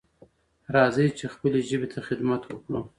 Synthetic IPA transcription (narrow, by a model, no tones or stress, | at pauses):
ɾɑzəjt͡ʃexpəleʒəbet̪ʰaxɪd̪mat̪wəkɽu